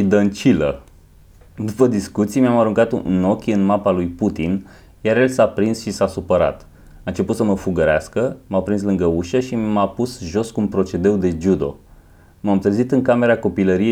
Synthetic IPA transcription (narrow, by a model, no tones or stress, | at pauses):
id̪ənt͡ʃilə̰ | d̪upəd̪iskut̪sijmʲamaɾuŋkat̪no̞kʲɨnmapalujput̪in | jaɾje̞lsapɾinsʃisasupəɾa̰t̪ | aɨnt͡ʃe̞put̪səməfuɡəɾea̰skəmapɾinslɨŋɡəuʃəʃimapusʒo̞skumpɾo̞t͡ʃe̞d̪ewd̪e̞d͡ʒud̪o̞̰ | mamt̪ɨɾzit̪ɨŋkame̞ɾako̞piləɾije